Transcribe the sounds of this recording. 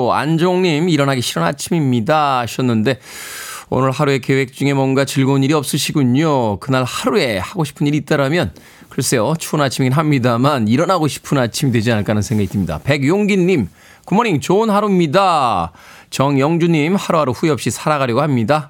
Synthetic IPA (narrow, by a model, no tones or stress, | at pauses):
a̰nd͡ʑoŋɲimiɾʌnɦaɡiɕʰiɾʌna̰t͡ɕʰimimɲidaɕʰiʌnːɯnde̞ | o̰nɯɭhaɾue̞ke̞we̞k̚t͡ɕ͈uŋe̞mwʌnɡat͡ɕiɭɡouniɾiʌp̚s͈ɯɕʰiɡuɲokɯnaɭhaɾue̞haɡoɕʰi̥pʰɯniɾiːt͈aɾamjʌn | kɯɾʌs͈e̞jot͡ɕʰuʌnat͡ɕʰimiɡinɦamɲidamaniɾʌnaɡoɕʰi̥pʰɯnat͡ɕʰimidwe̞d͡ʑianɯɭk͈anɯnsʰeŋɡaɡis͈ɯmɲida̰pe̞ɡjoŋɡinːim | kumʌɾiŋt͡ɕonhaɾumɲida | t͡ɕʌŋjʌŋd͡ʑuɲimhaɾuɦaɾuɸueʌp̚ɕ͈isʰaɾaɣaɾjʌɡohamɲida